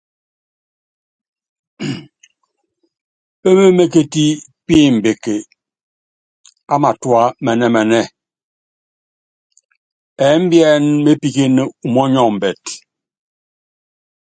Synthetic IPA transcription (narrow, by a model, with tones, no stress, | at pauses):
e˦me˦me˦ke˦ti˦pi˦˨m̩˨be˨ke˨ | a˦ma˨twa˦mɛ˨nɛ˦mɛ˨nɛ˦ | ɛ˨˦m̩˦bjɛ˦nme˦pi˦ke˦ne˦u˨mɔ˦ɲɔ˦˨m̩˨bɛ˨t